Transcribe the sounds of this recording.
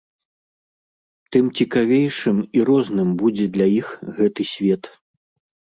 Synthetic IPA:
t̪ɨmt͡sʲikavʲejʂɨmiɾɔznɨmbud͡zʲɛd̪lʲɐjixɣɛt̪ɨsʲvʲɛt̪

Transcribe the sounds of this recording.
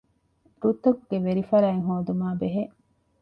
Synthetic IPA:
ɾut̪ɐɡːeʋeɾifɐɾæeŋɦoːd̪umaːbeɦeʔ

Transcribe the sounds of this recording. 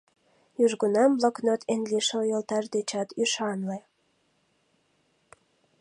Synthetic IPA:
jyʒɡunɑmblɑknot̪enliʃojəlt̪ɑrd̪et͡ɕɑt̪yʃɑnle

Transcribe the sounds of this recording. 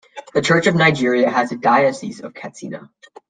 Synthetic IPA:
ðɨt͡ʃʰɜ˞t͡ʃʌvnaɪd͡ʒɪɹiɨːzɨdaɪɨsḭzʌ̰v̥kʰætsḭnə̰

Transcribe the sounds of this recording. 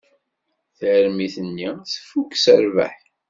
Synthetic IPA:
θəɾmiθənːiθə̥fːukːsəɾvæ̰ħ

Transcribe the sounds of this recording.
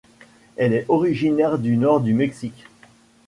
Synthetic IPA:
ɛlɛɔʁiʒinɛʁd̪ynɔʁd̪ymɛksikʲ

